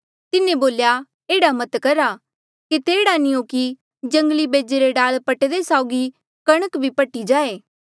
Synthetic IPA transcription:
t̪ɪnẽboːlja | eːɽamɐt̪kɐɾa | kit̪eːɽanĩoːki | d͡ʒɐ̃ŋɡlibeːd͡ʒeɾeɖaːlpɐʈed̪esaːʊɡi | kɐɽ̃əkbʱipɐʈid͡ʒaːeː

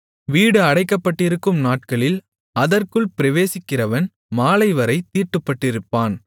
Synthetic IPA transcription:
ʋiːɽɯɐɽɐɪkːɐpːɐʈːɪɾɯkːɯmnaːʈ̚kɐɭɪl | ɐðɐrkɯɭpɪɾɐʋeːsɪkːɪrɐʋɐn | maːlɐɪʋɐɾɐɪt̪ːiːrʈːɯpːɐʈːɪɾɯpːaːn

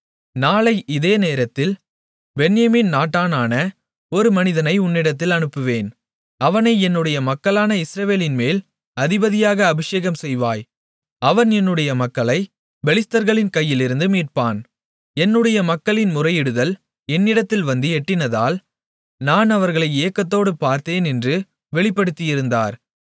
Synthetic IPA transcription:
naːlɐɪʔɪðeːneːɾɐt̪ːɪl | bɛnjɐmiːnnaːʈːaːnaːnɐ | ɔɾɯmɐnɪðɐnɐɪʊnːɪɽɐt̪̬ːɪlɐɳɯpːɯʋeːn | ɐʋɐnɐɪɛnːɯɽɐjɐmɐkːɐɭaːnɐɪsɾɐʋeːlɪnmeːl | ɐðɪbɐðɪjaːɣɐːbɪʂeːɣɐmsɛjʋaːj | ɐʋɐnɛnːɯɽɐjɐmɐkːɐɭɐɪ | bɛɭɪst̪ɐɾɣɐɭɪnkɐjːɪlɪɾɯnd̪ɯmiːʈ̚paːn | ɛnːɯɽɐjɐmɐkːɐɭɪnmʊrɐjɪɽɯðɐl | ɛnːɪɽɐt̪ːɪlʋɐnd̪ɯɛʈːɪnɐðaːl | naːnɐʋɐɾɣɐɭɐɪeːɐkːɐt̪ːoːɽɯpaːɾt̪eːnɛndrɯ | ʋɛɭɪpːɐɽɯt̪ːɪjɪɾɯnd̪a̰ːɾ

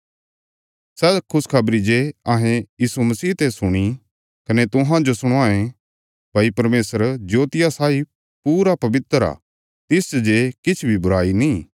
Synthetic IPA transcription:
sɛːkʰʊskʰɐbɾid͡ʒeɐɦẽjiːsumɐsiːt̪esʊɽ̃i | kɐnet̪ʊɦãd͡ʒosʊɽ̃aːẽ | bʱaːipɐɾmeːsəɾd͡ʒoːt̪ɪjasaːi | puːɾapɐbɪt̪əɾa̰ː | t̪ɪsd͡ʒekɪt͡ʃʰbʱibʊɾaːinĩː

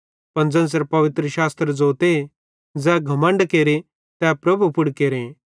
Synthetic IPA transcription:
pɐ̃nd͡zɐ̃ns̬ɐɾpɐʋɪt̪ɾəʃaːst̪ɾəd͡zoːt̪e | d͡zɛɡʱɐmə̃ɳɖkeːɾe | t̪ɛpɾɐbʱupʊɽkeːɾẽ

